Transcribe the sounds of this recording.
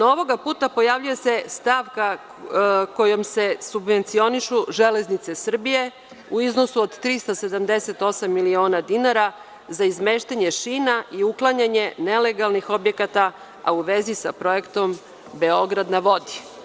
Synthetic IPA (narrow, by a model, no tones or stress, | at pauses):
nao̞ʋo̞ɡapuːt̪apo̞jaʋʎuje̞se̞st̪aʋka | ko̞jo̞mse̞subʋe̞nt̪sio̞niʃuʒele̞znit̪se̞sr̩bije̞ | uiznosuod̪t̪ɾist̪ase̞d̪amd̪e̞se̞t̪o̞samːilio̞ːnad̪inaɾa | zaizme̞ʃt̪aɲe̞ʃinaʔiuklˠaɲaɲe̞ne̞le̞ɡalˠnixo̞bje̞kat̪a | a̰uʋe̞zisa̰pɾo̞e̞kt̪o̞m | be̞o̞ɡɾad̪naʋo̞d̪i̥